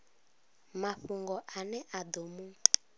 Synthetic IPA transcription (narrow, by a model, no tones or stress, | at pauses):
maɸuŋɡɔʔanɛʔad̪omu